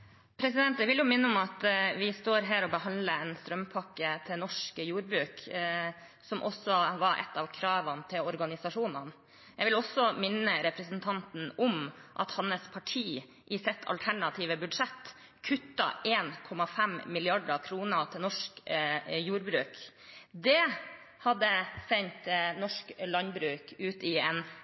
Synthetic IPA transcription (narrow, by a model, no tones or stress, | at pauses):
pʰɾɛsɪd̪ɛnt̪̚d̪ɛʋɪljʊmɪnːəɔmɑt̪ʋɪst̪oːɾɦæːɾɔbəɦɑnd̪ləɛnst̪ɾœmpʰɑkːət̪ʰɪlnɔʂkəjuːɾbɾʉːk | sɔmʔɔsːɔʋɑɾʔɛ̰t̪ːɑʋkʰɾɑːʋɑnt̪ʰɪlɔɾɡɑnɪsɑʂuːnɑn | jɛɡʋɪlɔsːɔmɪnːəɾɛpɾəsənt̪ʰɑnt̪n̩ɔmʔɑt̪hɑnəspʰɑʈʰiː | ʔɪsɪt̪ʰːɑ̰lt̪ʰæɳɑt̪ʰiːʋəbʉd̪ʂɛt̪ː | kʰʉt̪ːɑ̰ʔeːnkʰɔmɑfɛmmɪlɪɑɖɑkʰɾuːnət̪ʰɪlnɔʂkjuːɾbɾʉːk | d̪ɛ | hɑd̪ːəsɛɲt̪nɔʂklɑnbɾʉːkʉːt̪ɪɛn